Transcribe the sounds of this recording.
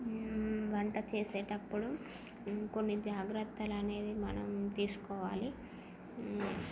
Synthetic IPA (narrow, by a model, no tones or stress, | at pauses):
ʋɐɳʈɐt͡ʃeːseːʈɐpːuɽu | ko̞nːid͡ʒaːɡɾɐt̪ːɐlɐne̞ːd̪imɐnɐmt̪iːsu̥kɔːʋaːli